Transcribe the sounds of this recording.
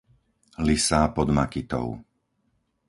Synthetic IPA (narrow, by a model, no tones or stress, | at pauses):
lisaːpɔd̪makit̪ɔ̰ʊ